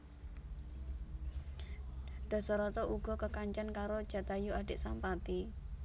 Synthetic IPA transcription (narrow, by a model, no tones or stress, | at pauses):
ɖ̪̥ɔ̤sɔɾɔt̪ɔʔuɡ̥ɔ̤kəkaɲt͡ʃankaɾod̥ʒ̥a̤t̪ajuaɖe̤ʔsampat̪i